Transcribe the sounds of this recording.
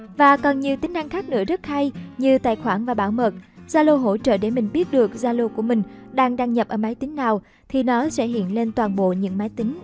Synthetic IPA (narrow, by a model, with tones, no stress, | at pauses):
vaː˨˩kɔ˨˩nɲi˨˩əwt̪ï˨˦ŋ̟ʔa˧ŋ̟xaː˦˥k̚nɨ̰˧˥əzə˦˥t̚ha˧jɲɨ˧t̪a̰ː˧˨jxwaː˧˩nvaː˨˩ɓaː˧˩wmə˨˩t̚z̥aː˧lo˧ɦo̰˧˥t͡ɕə̰ː˧˨ɗe˧˩mï˨˩ŋ̟ɓi˦˥ət̚ɗɨ˨˩ək̚zaː˧lo˧ku˧˩əmï˨˩ŋ̟ɗaː˧ŋɗaː˧ŋɲə˨˩p̚ʔəː˧˩ma˨˦jt̪ï˨˦ŋ̟naː˨˩w | t̪ʰi˨˩nɔ˨˦sɛ̰˧˥ɦḭ˧˨ənle˧nt̪waː˨˩nɓo̰˧˨ɲɨ̰˧˥ŋmaː˨˦jt̪ï˨˦ŋ̟